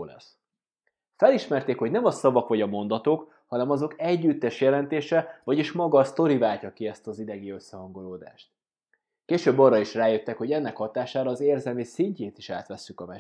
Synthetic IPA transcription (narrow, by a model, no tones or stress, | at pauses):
lɛ̰s | fɛliʃmɛrt̪eːkho̞ɟnɛmɒsɒvɒkʋɒɟɒmo̞nd̪ɒt̪oːk | hɒnɛmɒzo̞kɛɟːyt̪ːɛʃjɛlɛnt̪eːʃɛvɒɟiʃmɒɡɒst̪o̞ɾivaːlcɒkiɛst̪ɒzid̪ɛɡiø̞sːɛɦɒŋɡo̞loːd̪a̰ːʃt̪̚ | keːʃøːbːɒrːɒiʃraːjøt̪ːɛkho̞ɟɛnːɛkhɒt̪aːʃaːɾɒːzeːrzɛlmisiɲceːt̪iʃa̰ːt̪ʋɛsːykɒmɛ